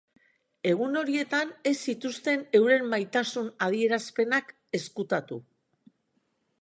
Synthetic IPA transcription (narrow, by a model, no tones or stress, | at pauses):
e̞ɣ̞uno̞ɾie̞t̪ane̞sːit̪ust̪e̞ne̞wɾe̞mːajt̪asunað̞ie̞ɾaspe̞nak | e̞skut̪at̪ṵ